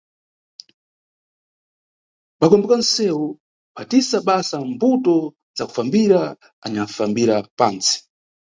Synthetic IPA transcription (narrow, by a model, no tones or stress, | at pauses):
ɓakɔmbɛkansɛwu | pʰatisaɓasambutɔ | zaku̥fambiɾa | aɲafambiɾapaːnt͡si̥